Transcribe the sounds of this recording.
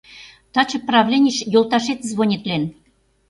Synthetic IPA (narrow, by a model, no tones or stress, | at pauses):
t̪ɑt͡ɕɤ̆prɑvlʲenʲiʃjolˠt̪ɑʃet̪zβonʲet̪lʲen